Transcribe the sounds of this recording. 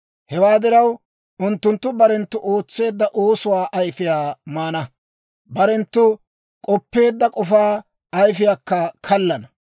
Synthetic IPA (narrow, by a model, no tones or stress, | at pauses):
hɛwaːd̪ɪɾɐw | ʊnt̪ːʊnt̪ːʊbɐɾɛnt̪ːʊʔo̞ːt͡sːe̞ːd̪ːɐʔoːsʊwaːʔɐjfɪjaːmaːnɐ | bɐɾɛnt̪ːʊ | kʼɔpːe̞ːd̪ːɐkʼɔfaː | ɐjfɪjaːkːɐkʰɐlːɐnɐ